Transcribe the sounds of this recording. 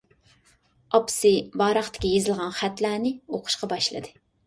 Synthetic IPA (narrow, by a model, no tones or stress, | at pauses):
ɑpsɨbɑːɾɑχt̪ʰɪ̥kʲijezɪlˠʁɑnχɛt̪læːnɪoqʰʊ̥ʃqɑbɑʃlˠɨ̰d̪ɨ